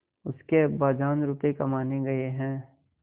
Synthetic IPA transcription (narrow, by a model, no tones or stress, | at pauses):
ʊskebaːd͡ʒaːnɾupekɐmaːneɡɐeɦɛ̃ː